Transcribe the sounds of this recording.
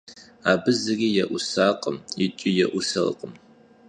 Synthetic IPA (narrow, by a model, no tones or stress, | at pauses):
aːbɨzɨriːjɛʔʷʊsaːqʼəmjɪt͡ʃʼɪjɛʔʷʊsɐl̰qʼəm